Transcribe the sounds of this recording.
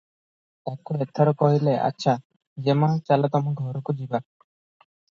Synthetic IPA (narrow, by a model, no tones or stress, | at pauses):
t̪akːuet̪ʰːaɾɔkɔɦileʔa̰tːɕʰa | d͡ʒemãt͡ʃalɔt̪ɔmaɡʱɔɾukud͡ʑiba